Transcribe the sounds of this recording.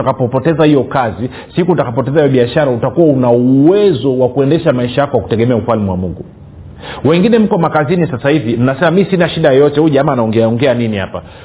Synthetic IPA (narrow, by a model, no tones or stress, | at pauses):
akapɔpɔtɛzahijɔkazi | sikutakap̬ɔtɛzaijɔɓiaʃaɾautakuwaunauwɛzɔwakuɛndɛʃamaiʃajakɔwaku̥tɛɠɛmɛaufalmiwa̰muŋɡu | wɛŋɡinɛm̩kɔmakazinisasahivim̩nasɛmamisinaʃiɗajɔjɔtɛhuʄaamaːnaɔŋɡɛaɔŋɡɛaniniha̰pa